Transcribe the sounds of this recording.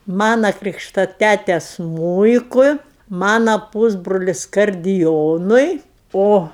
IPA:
ˈmɑːnɐ ˈkrʲiːkʃtɐ ˈtʲætʲɛ ˈsmuːɪkʊɪ ˈmɑːnɐ ˈpuːzbrʊlʲɪs kɐrʲdʲɪˈjoːnʊɪ ˈoː

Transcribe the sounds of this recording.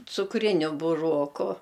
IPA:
t͡sʊkˈrʲɪnʲʊ bʊˈroːkʊ

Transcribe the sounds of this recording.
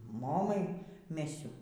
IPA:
ˈmoːmɐɪ ˈmʲæːsʲʊ

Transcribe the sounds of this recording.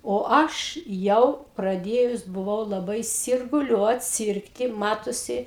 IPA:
oː ˈɐʃ ˈjɛʊ prɐˈdʲeːjʊs bʊˈʋɐʊ lˠɐˈbɐɪ sʲɪrɡʊˈlʲuɔt ˈsʲiːrktʲɪ ˈmɑːtoːsʲɪ

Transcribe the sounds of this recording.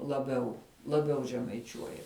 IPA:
lˠɐˈbʲɛʊ lˠɐˈbʲɛʊ ʒʲɛmɐɪˈt͡ʃʲuɔjɛ

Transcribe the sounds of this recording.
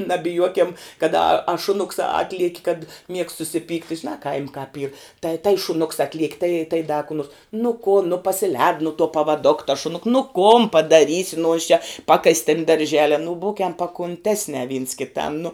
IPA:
nɐbʲɪˈjuɔkʲɛm kɐt ɐ ɐ ʃʊˈnʊks ˈɑːtʲlʲiɛkʲɪ kɐt mʲiɛkst sʊsʲɪˈpʲiːktʲɪ ʒʲɪˈnɑː kɐɪmʲ kɑːp iːr tɐɪ tɐɪ ʃʊˈnʊks ˈɑːtʲlʲiɛkʲ tɐɪ tɐɪ dɐ kʊ nuɔrs nʊ kʊn nʊ pɐsʲɪˈlʲɛːt nʊ tuɔ pɐʋɐˈdoːk tɐs ʃʊˈnʊk nʊ koːn pɐdɐˈrʲiːsʲɪ nʊ jɪs t͡ʃʲɛ ˈpɑːkɐsʲ tʲɪn dɐrʲˈʒʲæːlʲɛ nʊ ˈbuːkʲɛm pɐkʊnʲˈtʲæːsʲnʲɛ ʋʲiːns kʲɪˈtɐm nʊ

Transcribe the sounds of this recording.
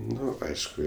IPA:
ˈnʊ ˈɐɪʃkʊ

